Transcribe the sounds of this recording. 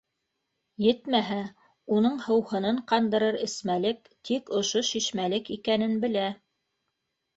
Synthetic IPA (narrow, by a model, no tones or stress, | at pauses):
jɘt̪mæɦæ | unɤɴhɤ̆whɤ̆nɤɴqɑnd̪ɤ̆ɾɤɾɘ̆smælɘk | t̪ʰikŏʃoʃiʃmælɘkikænɘnbɘ̆læ